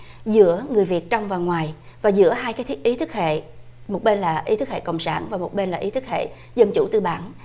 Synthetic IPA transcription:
zɨ̰˧˥əŋɨ˨˩əjvi˨˩t̚t͡ɕɔ˧wŋ͡mvaː˨˩ŋwaː˨˩jvaː˨˩zɨ̰˧˥əɦaː˧jkaː˨˦jt̪ʰk̚ʔi˨˦t̪ʰɨ˦˥k̚hḛ˧˨mo˨˩t̚ɓe˧nlaː˨˩ʔi˨˦t̪ʰɨ˦˥k̚hḛ˧˨kə̰˧˨wŋ͡msa̰ː˧˩nvaː˨˩mo˨˩t̚ɓe˧nlaː˨˩ʔi˨˦t̪ʰk̚hḛ˧˨ | zə˧nt͡ɕṵ˧˩t̪ɨ˧ɓaː˧˩n

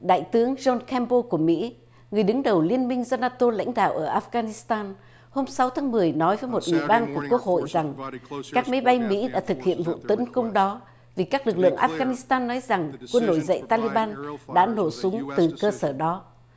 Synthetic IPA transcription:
ɗa̰ː˧˨jt̪ɨ˨˦əŋzɔ˧nkʰɛ˧mpo˧ku˧˩əmḭ˧˥ | ŋɨ˨˩əjɗɨ˨˦ŋɗə˨˩wli˧ənmï˧ŋzɔ˧naː˧t̪o˧la̰˧˥jŋ̟ɗa̰ː˧˨wʔəː˧˩ʔaː˧˥fɣaː˧ni˨˦˥st̪aː˧n | ho˧msa˨˦wt̪ʰaː˨˦ŋmɨ˨˩əjnɔ˨˦jvəː˨˦jmo˨˩t̚ʔḭ˧˨ɓaː˧nku˧˩əkːwək̚ho̰˧˨jza˨˩ŋkaː˦˥k̚ma˨˦jɓa˧jmḭ˧˥ɗa̰ː˧˥t̪ʰɨ˨˩k̚hḭ˧˨ənvṵ˧˨t̪ə˨˦nkə˧wŋ͡mɗɔ˨˦ | vi˨˩kaː˦˥k̚lɨ˨˩k̚lɨ̰˧˨əŋʔaː˧fɣaː˧ni˨˦˥st̪aː˧nːɔ˨˦jza˨˩ŋkwə˧nːo˧˩jzə̰˧˨jt̪aː˧li˧ɓaː˧nɗa̰ː˧˥no˧˩sʊ˨˦ŋ͡mt̪ɨ˨˩kəː˧səː˧˩ɗɔ˨˦

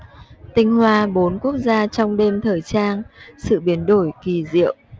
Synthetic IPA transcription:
t̪ï˧ŋ̟hwaː˧ɓo˨˦nku˦˥ək̚zaː˧t͡ɕɔ˧wŋ͡mɗe˧mt̪ʰəː˨˩jt͡ɕaː˧nsɨ̰˧˨ɓi˨˦ənɗo˧˩jki˨˩zḭ˧˨əw

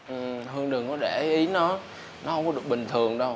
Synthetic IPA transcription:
ʔɨ˨˩ɦɨ˧əŋɗɨ˨˩ŋkɔ˨˦ɗe˧˩˨ʔi˨˦nɔ˨˦ | nɔ˨˦hə˧wŋ͡mkɔ˦ɗɨ˨˩ək̚ɓï˨˩ŋ̟t̪ʰɨ˨˩əŋɗə˧w

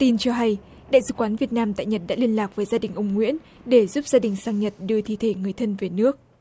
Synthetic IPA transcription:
t̪i˧nt͡ɕɔ˧ɦa˧j | ɗa̰ː˧˨jsɨ̰˧˨kwaː˨˦nvi˨˩ət̚naː˧mt̪a̰ː˧˨jɲə˨˩t̚ɗa̰ː˧˥li˧ənlaː˨˩k̚vəː˨˦jzaː˧ɗï˨˩ŋ̟ʔʊ˨˧wŋ͡mŋwḭ˧˥ən | ɗe˧˩zu˦˥p̚zaː˧ɗï˨˩ŋ̟saː˧ŋɲə˨˩t̚ɗɨ˧ət̪ʰi˧˨t̪ʰe˧˩ŋɨ˨˩əjt̪ʰə˧nve˨˩nɨ˦˥ək̚

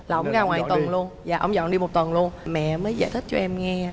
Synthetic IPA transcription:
laː˨˩ʔə˧wŋ͡mɣaː˧ŋwa̰ː˧˨jt̪wə˨˩nlu˧ənza̰ː˨˩ʔə˧wŋ͡mzɔ̰˧˨nɗi˧mo˨˩t̚t̪wə˨˩nlu˧ənmɛ̰˧˨məː˨˦jza̰ː˧˩jt̪ʰï˦˥k̟̚t͡ɕɔ˧ʔɛ˧mŋɛ˧

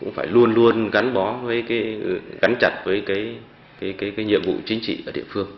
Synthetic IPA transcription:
kʊ̰˧˥ŋ͡mfaː˧˩jlu˧ənlu˧ənɣa˨˦nɓɔ˨˦vəː˨˦jkaː˨˦jɣa˨˦nt͡ɕa˨˧˩t̚vəː˨˦jkaː˨˦j | kaː˨˦jkaː˨˦jkaː˨˦jɲḭ˧˨əmvṵ˧˨t͡ɕï˨˦ŋ̟t͡ɕḭ˧˨ʔəː˧˩ɗḭ˧˨əfɨ˧əŋ

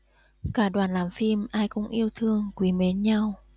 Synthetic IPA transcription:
kaː˧˩ɗwaː˨˩nlaː˨˩mfi˧mʔaː˧jkʊ̰˧˥wŋ͡mʔi˧əwt̪ʰɨ˧əŋkwi˨˦me˨˦nɲa˧w

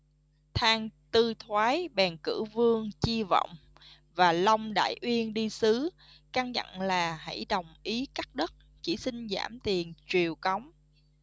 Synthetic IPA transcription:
t̪ʰaː˧ŋt̪ɨ˧t̪ʰwaː˨˦jɓɛː˨˩nkɨ˧˩vɨ˧əŋt͡ɕi˧vɔ̰˧˨wŋ͡m | vaː˨˩la˧wŋ͡mɗa̰ː˧˨jʔwi˧ənɗi˧sɨ˨˦ | ka˧ŋɲə̰˧˨nlaː˨˩ɦa̰˧˩jɗə˨˩wŋ͡mʔi˨˦kaː˦˥k̚ɗə˦˥t̚t͡ɕi˧˩si˧ŋzaː˧˩mt̪i˨˩ənt͡ɕwi˨˩əwka˨˦wŋ͡m

